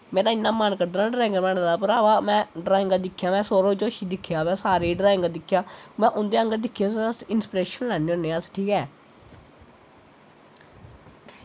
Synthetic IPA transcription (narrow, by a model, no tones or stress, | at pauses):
mɛ̃ːnaːɪnːãːmaːnkəɾd̪naːɖɾaːɪ̃ŋɡəɾmɛːɳd̪aːpəɾaːbaːmɛ̃ːɖɾaːɪŋɡaːd̪ɪkʰːjaːmɛ̃ːsoːɾoːd͡ʒoːʃiːd̪ɪkʰːjaːmɛ̃ːsaːɾeːɖɾaːɪ̃ŋɡəad̪ɪkʰːjaːmɛ̃ːʔʊnd̪eːə̃ŋɡəɾd̪ɪkʰːjaːssɪnspɾeːʃənlɛːnioːnːeːãːsʈʰiːkɛː